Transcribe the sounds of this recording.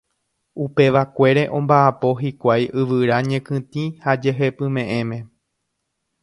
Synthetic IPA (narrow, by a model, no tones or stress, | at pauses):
upe̞ʋakʷe̞ɾe̞ʔõ̞mbaʔapo̞ɦikʷajʔɨʋɨɾaɲẽ̞kɨ̃t̪ĩhad͡ʒe̞ɦepɨ̃mẽ̞ʔẽ̞mẽ̞